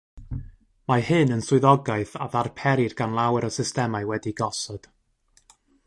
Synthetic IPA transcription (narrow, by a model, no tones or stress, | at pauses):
mahɨnənsʊɨðɔɡaɨθa̰ðarpʰɛɾirɡanlˠawɛɾɔsɪstɛmaɨwɛdiɡɔsɔd̥